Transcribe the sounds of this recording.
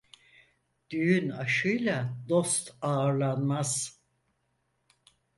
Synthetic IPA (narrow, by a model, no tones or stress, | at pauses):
d̪̥yjynaʃɯjlˠad̪o̞st̪ʰaːɾlˠanmaz̥